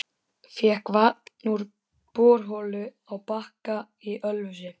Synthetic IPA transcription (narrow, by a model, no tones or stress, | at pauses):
fjɛhkvanuɾ | pɔːɾ̥ɦɔlʏ | awpahka | iʔœlvʏsɪ